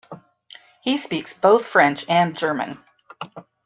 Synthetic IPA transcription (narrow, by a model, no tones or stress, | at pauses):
hispiksb̥oʊθfɹɛ̃nt͡ʃɨ̃nd͡ʒɜ˞mɨ̰̃n